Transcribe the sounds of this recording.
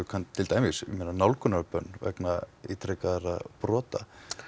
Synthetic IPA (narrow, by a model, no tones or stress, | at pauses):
kʰant̪t̪ʰːɪlt̪aːjmɪsmeːnanawlkʰʏnaɾpœnːvɛ̰knait̪ʰɾɛkaðɾaðpɾɔːt̪a̰